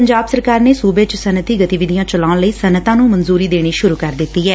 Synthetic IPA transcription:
pəɲd͡ʒaːbsəɾkaːɾneːsuːbeːt͡ʃsənət̪iːɡət̪iʋɪd̪ijãːt͡ʃəlãːləiːsənət̪ãːnũːmənzuːɾiːd̪eːɽ̃iːʃʊɾuːkəɾd̪ɪt̪ːiːɦɛː

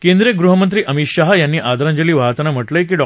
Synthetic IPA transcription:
kẽnd̪ɾijəɡɾuɦəmənt̪ɾiːʔəmit̪ɕaɦjanːiːʔad̪ɾãɲd͡ʑəliːʋat̪ənam̤əʈləjk̬iːɖɔ

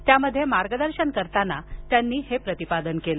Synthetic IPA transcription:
t̪jaməd̪ʱːjemaɾɡəd̪əɾɕənkəɾt̪anat̪janːiːhepɾət̪ipad̪ənkelə

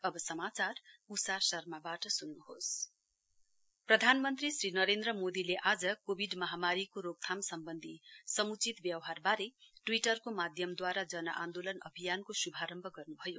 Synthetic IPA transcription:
ʌbʌsʌmat͡sarusasʌrmabaʈʌsunːuhos | prʌd̪ʱanmʌnt̪risrinʌɾend̪rʌmod̪ileʔad͡zʌkobʱiɖmʌɦamaɾikoɾok̚t̪ʰamsʌmbʌnd̪ʱisʌmut͡sit̪bjʌwɦarbaɾeʈwiʈʌrkomad̪ʱjʌmd̪waɾad͡zʌnʌʔand̪olʌnʌbʱijankosubʱaɾʌmbʱʌɡʌrnubʱʌjo

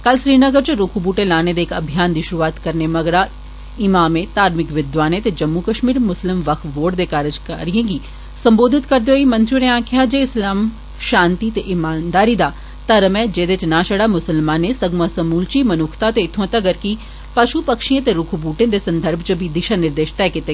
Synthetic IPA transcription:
kɐlʃɾiːnəɡəɾt͡ʃɾʊkʰubuːʈẽlaːned̪eːkɐbʱijaːnd̪iʃʊɾuʋaːt̪kɐɾnemɐɡɾa | ɪmaːmẽt̪aːɾmɪkʋɪd̪ʋaːnet̪ed͡ʒɐmːukəʃmiːɾmʊslɪmʋɐkʰʋoːʈd̪ekaːɾəd͡ʒkɐɾijẽːɡi | sɐ̃mboːd̪ʱɪt̪kɐɾd̪ejoimɐ̃nt̪ɾijõneãːkʰjad͡ʒeɪslaːm | ʃãːnt̪it̪eʔɪmaːnd̪aːɾid̪a | t̪ɐɾəmẽd͡ʒeːd̪et͡ʃnaːʃɐɽamʊsəlmaːnẽsɐɡmasɐmuːlt͡ʃimɐnʊːkʰt̪at̪eɪt̪ʰõt̪ɐɡəɾki | pɐʃupɐkʃijẽt̪eɾʊkʰubuːʈẽd̪esɐ̃nd̪ʱəɾbʱt͡ʃəbʱid̪ɪʃanɪɾd̪eːʃt̪ɛkɪt̪e

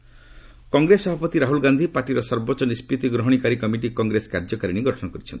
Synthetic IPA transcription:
kɔŋɡɾesɔbʱapɔt̪iɾaɦulɡand̪ʱipaɾʈiɾɔsɔɾbɔt͡ʃɔnispɾit̪iɡɾɔɦɔɽ̃ikaɾikɔmiʈ̬ikɔŋɡɾeskaɾd͡ʒɔkaɾiɽ̃iɡɔʈʰɔñɔkɔɾit͡ʃʰɔnt̪ʰi̥

